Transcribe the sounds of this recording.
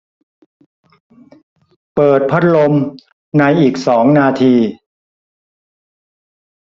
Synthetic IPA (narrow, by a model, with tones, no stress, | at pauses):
pɤː˨˩t̪̚pʰa˦˥t̪̚lo˧m | na˧jʔiː˨˩k̚sɔː˩˦ŋnaː˧t̪ʰiː˧